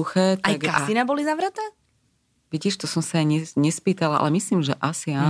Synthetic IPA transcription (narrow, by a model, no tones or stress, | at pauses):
uxɛːt̪ajaɡasinabɔlizaʋɾat̪ɛː | ʋiɟiːʃt̪ɔsɔmsaajɲɛɲɛspiːt̪alaʔa̰lɛmisliːmʒɛʔasia